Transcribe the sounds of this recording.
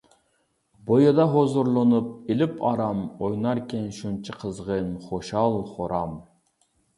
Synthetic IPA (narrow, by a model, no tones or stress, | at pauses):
bojɑd̪ɑɦozuɾlˠonup̚ilɪpʰɑɾɑmojnɑɾkʲʰɛnʃunt͡ʃʰiqʰəzʁənχoʃɑlˠχoɾɑm